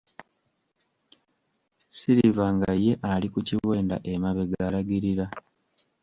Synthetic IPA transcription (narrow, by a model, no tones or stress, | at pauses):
siɾivaŋɡaje̞ʔalikuciwe̞ːnda̰ʔemaβe̞ɡalaɡiɾiɾa